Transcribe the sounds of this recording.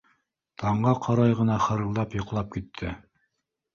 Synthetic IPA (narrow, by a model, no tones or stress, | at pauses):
t̪ʰɑɴɢɑqʰɑɾɑjʁɤ̆nɑχɤ̆ɾɤ̆lˠd̪ɑpjŏqlˠɑp̚kit̪ʰːɘ